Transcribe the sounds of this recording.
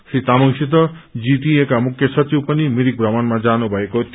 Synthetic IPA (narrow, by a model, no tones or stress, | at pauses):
sɾit̪amɔŋsit̪̬ɔ | d͡ʒiʈiekamukʰjɔsʌt͡ʃiwpʌnimiɾik̚bɾamanmad͡ʒanubʱaekot̪